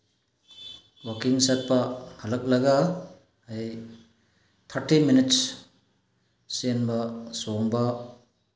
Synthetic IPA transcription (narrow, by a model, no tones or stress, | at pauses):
wakiŋsɐt̚pɐhɐlɐk̚lɐɡa | haj | t̪ʰɐɾtiminits | senbɐsoŋbɐ